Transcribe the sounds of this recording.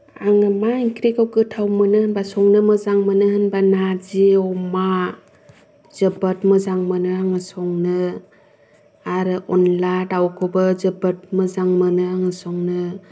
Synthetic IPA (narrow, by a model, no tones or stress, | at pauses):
aŋɯmaiŋkʰɾekawɡɯtʰawmɯnɯhɯnbasɔŋnɯmɯzaŋmɯnɯhɯnbanaziɔma | z̥ɯbatmɯzaŋmɯnɯaŋɯsɔŋnɯ | aɾɯʔɔnladawkʰɯbɯzɯbət̚mɯzaŋmɯnɯaŋɯsɔŋnɯ